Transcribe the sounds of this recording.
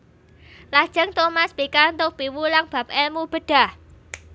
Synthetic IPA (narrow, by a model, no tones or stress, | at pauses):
lad̥ʒ̥ə̤ŋt̪omaspikaunt̪ʊk̚piwulaŋb̥a̤p̚ɛlmub̥ə̤ɖ̥a̤h